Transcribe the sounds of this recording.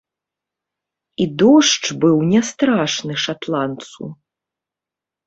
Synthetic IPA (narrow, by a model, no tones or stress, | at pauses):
id̪ɔʂt͡ʂbɨwnʲɛst̪ɾaʂnɨʂat̪lˠant̪sṵ